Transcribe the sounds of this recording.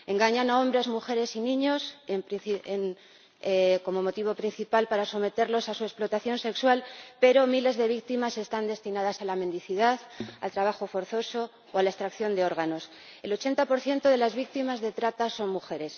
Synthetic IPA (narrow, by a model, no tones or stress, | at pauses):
e̞ŋɡaɲanao̞mbɾe̞zmuxe̞ɾe̞sinĩɲo̞sempɾiθien | ko̞mo̞mo̞t̪iβ̞o̞pɾin̟θipalpaɾaso̞me̞t̪e̞ɾlo̞sasue̞splo̞t̪aθjo̞nse̞kswalpe̞ɾo̞mile̞zðe̞β̞ik̚t̪imase̞st̪and̪e̞st̪inaðasalamend̪iθiðaθa̰lt̪ɾaβ̞axo̞fo̞ɾθo̞so̞ | oalae̞st̪ɾakθjo̞nd̪e̞o̞ɾɣ̞ano̞s | e̞lo̞t͡ʃe̞nt̪apo̞ɾθje̞nt̪o̞ðe̞lazβik̚t̪imazðe̞t̪ɾat̪aso̞nmuxe̞ɾe̞s